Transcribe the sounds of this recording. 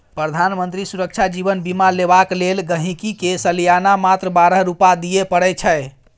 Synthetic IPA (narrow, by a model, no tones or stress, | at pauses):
pɾəd̪ʱanmənt̪ɾisuɾək̚t͡ʃʰad͡ʒibənbimalebaklelɡəɦĩkikesəlijanamat̪ɾəbaɾəɦɾupad̪ijepəɽɛt͡ʃʰəj